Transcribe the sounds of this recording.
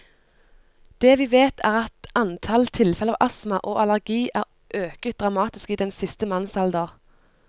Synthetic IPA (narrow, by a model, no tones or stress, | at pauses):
d̪̥ɛːʋiːʋeːt̪ʰæːʁɑt̪ɑnt̪ʰɑlt̪ʰɪlfɛləɑːʔɑsmɑʔoːʔɑlæʁɡiːʔæːʁ | ʔøːkət̪̚d̪ʁɑmɑːt̪ɪskiːd̪ɛnsɪst̪əmɑnsɑld̪əʁ